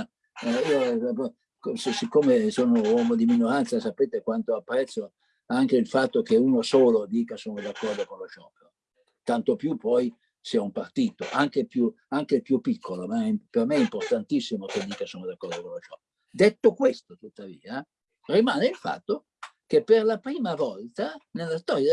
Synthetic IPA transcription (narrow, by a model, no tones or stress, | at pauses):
iop | kssikːomesoːnowɔːmod̪iminoɾant̪sasapeːt̪ekwant̪oapːɾɛt̪so | aŋk̟eilfat̪ːokeuːnosoːlod̪iːkasoːnod̪akːɔrd̪okonlot͡ʃɔːpeɾo | t̪ant̪opjupɔj | siɛumpart̪iːt̪oʔaŋkepju | aŋk̟elpjupːikʰːolomaɛpermeɛimport̪ant̪isːimoked̪iːkasoːnod̪akːɔrd̪okonlot͡ʃɔp | d̪et̪ːokwest̪ot̪ut̪ːavḭːa | rimaːneilfa̰t̪ːo | kepːerlapɾiːmavɔlt̪anelːast̪ɔɾja